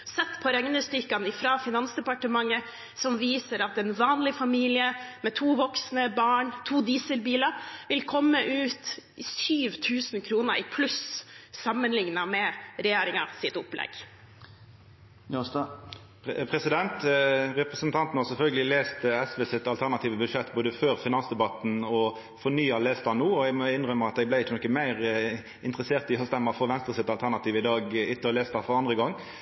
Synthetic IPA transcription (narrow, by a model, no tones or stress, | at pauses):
sɛt̪ːpʰɔɾɛŋnəst̪ʏkːɑnɪfɾɑːfɪnɑnsd̪ɛpɑʈəmɑŋːə | sɔmʋiːsəɾɑt̪ɛnʋɑːnlɪfɑmiːlɪəmɛt̪ʰuːʋɔksnəbɑːɳt̪ʰuːd̪iːsəlbiːləɾʋɪlkʰɔmːəʔʉːt̪syːʋt̪ʰʉːsnkʰɾuːnəɾʔɪpʰlʉssɑmːənlɪŋnɑmɛɾɛjeːɾɪŋɑ̰sɪt̪ʊplɛ̰ɡ̥ | ɑst̪ | pʰʁɛsɪd̪ɛnt̪ʁɛpʁəsənt̪ʰɑnt̪n̩hɑʁsɛlfœlɡəlɪleːst̪əɛsʋɛsɪt̪ːɑlt̪ʰæʁnɑt̪ʰiːʋəbʉd̪ʂɛt̪ːboːd̪əføːʁfɪnɑnsd̪ɛbɑt̪n̩ɔ | fɔnyːɑleːst̪ɑnuːɔɛɡmɔɪnʁœməɑt̪d̪ɛɡblæɪɪt͡ʃːənɔkːəmæɪʁ | ɪnt̪ʁəseːʁt̪ɪhœst̪ɛmːəfɔːʋɛnst̪ʁəsɪt̪ɑlt̪ʰæʁnɑt̪iːʋɪd̪ɑːɡɪt̪ːəleːst̪ɑfɔʁɑnd̪ʁəɡɔŋː